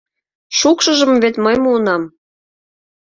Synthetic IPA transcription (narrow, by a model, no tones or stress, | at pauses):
ʃukʃə̆ʒə̆mvet̪məjmuənɑm